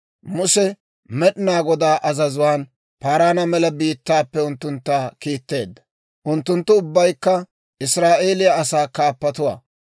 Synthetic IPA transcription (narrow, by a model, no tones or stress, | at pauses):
mʊsɛ | mɛɗɪnaːɡɔd̪aːʔɐzɐzʊwaːn | paːɾaːnɐmɛlɐbiːt̪ːaːpːɛʊnt̪ːʊnt̪ːaːkiːt̪ːe̞ːd̪ːɐ̥ | ʔʊnt̪ːʊnt̪ːʊʊbːɐjkːɐ | ʔɪsɾaːʔe̞ːlɪjaɐsaːkaːpːɐt̪ʊwa̰ː